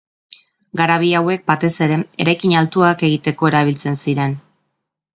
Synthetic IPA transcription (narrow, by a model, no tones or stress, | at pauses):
ɡaɾaβ̞iawe̞k̚bat̪e̞se̞ɾe̞e̞ɾajkiɲalt̪uake̞ɣit̪e̞ko̞eɾaβilt͡se̞nsiɾe̞n